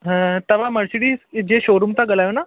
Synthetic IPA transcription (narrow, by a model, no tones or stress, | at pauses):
ɦə̃t̪əʋaməɽsiɽiːsd͡ʑeɕoɾumt̪aɡəlaʋna